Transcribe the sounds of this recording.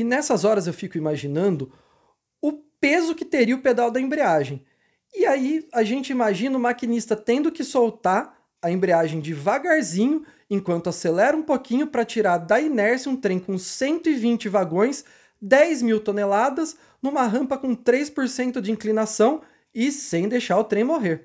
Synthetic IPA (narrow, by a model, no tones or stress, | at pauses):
ɪnɛsɐzɔɾɐzewfikʊimaʒinɐ̃nd̪ʊ | ʊpezʊkɪt̪eɾiɐʊped̪awd̪ɐẽmbɾiaʒẽj̃ | ɪaiaʒẽnt͡ʃɪimaʒĩnɐʊmakinist̪ɐt̪ẽnd̪ʊkɪsowt̪aɾ | ɐẽmbɾiaʒẽj̃d͡ʒɪvaɡaɾzĩɲʊ | ẽŋkwɐ̃nt̪ʊaselɛɾũpokĩɲʊpɾɐt͡ʃiɾaɾd̪ɐinɛɾsɪũt̪ɾẽj̃kõsẽnt̪ʊɪvĩnt͡ʃɪvaɡõj̃s | d̪ɛjzmiwt̪onelad̪ɐz | nũmɐɦɐ̃mpɐkõt̪ɾejspoɾsẽnt̪ʊd͡ʒɪĩŋklinasɐ̃w̃ | ɪsẽj̃d̪ejʃaɾʊt̪ɾẽj̃moɦeɾ